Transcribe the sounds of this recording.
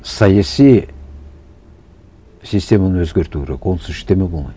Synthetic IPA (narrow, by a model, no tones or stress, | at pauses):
sɑjasij | sisʲt̪ʲe̞manəwɵzɡʲeɾt̪uɡɾḛkwo̞nsɪʃt̪emebolˠmɑjd̪